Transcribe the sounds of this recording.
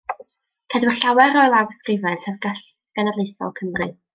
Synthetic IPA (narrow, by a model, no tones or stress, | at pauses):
kʰadwɪɬawɛɾɔjlˠawskrɪvɛnɬɛvɡaɬɡ̥ɛnadlejθɔ̰lˠkʰəmrɨ